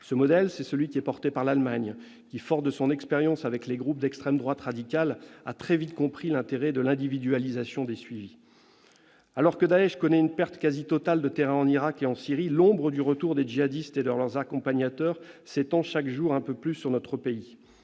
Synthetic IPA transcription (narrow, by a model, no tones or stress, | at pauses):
səmɔd̪ɛlsɛsəlɥikʲiɛpɔʁt̪epaʁlalmaɲ | kʲifɔʁsd̪əsɔ̃nɛkspeʁjɑ̃savɛkleɡʁup̚d̪ɛkst̪χɛmd̪ʁwat̪χad̪ikʲala̰t̪χɛvit̪kɔ̃pχilɛ̃t̪eʁɛd̪əlɛ̃d̪ivid̪yalizasjɔ̃d̪esɥivi | alɔʁkəd̪aɛʃkɔnɛynpɛʁt̪kʲazit̪ɔt̪ald̪ət̪eʁɛ̃ɑ̃niʁakeɑ̃siʁilɔ̃bʁəd̪yʁət̪uʁd̪ed͡ʒiad̪ist̪ed̪əʁlœʁzakɔ̃paɲat̪œʁ | set̪ɑ̃ʃakʒuʁɛ̃pøplysːyʁnɔt̪χəpei